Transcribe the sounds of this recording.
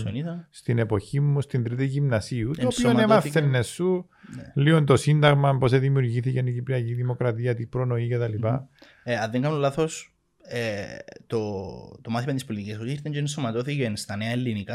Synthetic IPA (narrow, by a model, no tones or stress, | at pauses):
onit̪ɐst̪ine̞po̞çimːust̪ind̪ɾit̪iʝimnɐsiut̪oːpiomnemɐfθenːesːu | liont̪o̞sind̪ɐɣmɐmpo̞seðimiuɾʝiθicenicipɾiɐciðimokɾɐt̪iɐt̪ipɾono̞icet̪ɐlipɐ | eɐðeŋɡɐnunlɐθo̞s | et̪ot̪omɐθimɐt̪ispolit̪icisosiɾt̪eɲɟeensomɐt̪oθicenst̪ɐneɐelːinikɐ